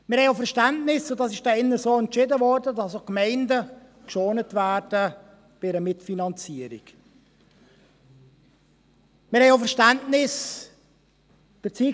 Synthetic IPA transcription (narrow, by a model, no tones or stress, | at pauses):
mɪɾhɛɪofəɾʃtɛntnɪsʊtdɑsɪʃd̥ɛɪnːəsoːɛntt͡ʃɪdəvɔrdədɑsokmɛɪndə | kʃoːnətvæːɾd̥ə | b̥ɪɪɾəmɪtfinɑnt͡siəɾḭk | mɪɾhɛɪoʊfəɾʃtɛntnɪs | b̥ət͡siː